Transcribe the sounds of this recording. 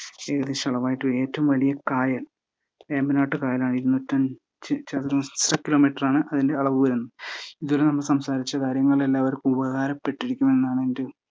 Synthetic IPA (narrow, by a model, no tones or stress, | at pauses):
eɣɐðiɕɐɭɐʋaːjiʈːɨe̞ːtːɐʋumʋɐlijɐkaːjɐl | eːmbinaːʈːɨkaːjɐlaːɳɨiɾunːotːɐm | t͡ɕt͡ɕat̪ɾusrɐkːilo̞ːmiʈːɐraːɳɨʔɐðinde̞ɐɭɐʋɨʋɐɾunːuiðolenɐmːɐɭsɐmsaːɾit͡ɕːɐkaːɾjɐŋːɐɭelːaːʋɐɾkɨubɐhaːɾɐpːe̞ʈːiɽikʲːume̞nːaːɳɨendɨ